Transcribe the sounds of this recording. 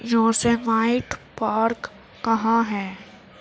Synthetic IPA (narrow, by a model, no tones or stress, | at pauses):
jõːsemaːɪʈpaːɾkː | ɐɦãɦɛː